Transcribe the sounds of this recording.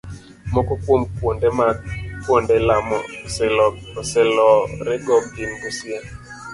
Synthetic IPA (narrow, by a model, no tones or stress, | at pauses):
mɔkɔkwomkwondɛmakwondɛlamɔslɔɔsɛlɔɾɛɡɔb̚ɡinɡusje